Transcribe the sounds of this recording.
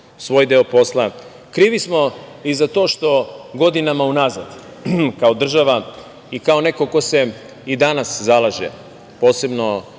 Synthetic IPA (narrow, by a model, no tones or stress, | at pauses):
sʋo̞ːjd̪e̞opo̞slˠa | kɾiːʋismo̞izat̪oʃt̪o̞ɡo̞d̪inamaunazad̪ | kao̞d̪r̩ʒaʋa | ikao̞ne̞koko̞se̞ | id̪anaszalˠaʒḛ | po̞ːse̞bno̞